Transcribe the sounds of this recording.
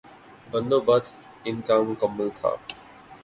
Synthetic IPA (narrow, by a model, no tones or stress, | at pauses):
bə̃nd̪oːbəs | ɪnkaːm̃kəmːəlt̪ʰa̰ː